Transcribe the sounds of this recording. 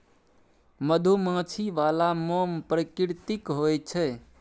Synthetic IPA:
məd̪ʱumãːt͡ʃʰiʋalamõpɾəkiɾt̪ikɦojt͡ʃʰɛ

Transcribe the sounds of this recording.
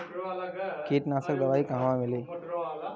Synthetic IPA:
keːʈnaːsək̚d̪ɐʋaːikãɦʋãmɪleː

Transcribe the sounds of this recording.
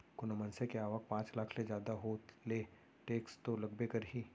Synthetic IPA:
kʊnəmənsekeaːʋək̚pãːt͡ʃlaːkʰled͡ʒjaːd̪aɦoːt̪le | ʈeːkst̪olɐɡbekɐɾɦiː

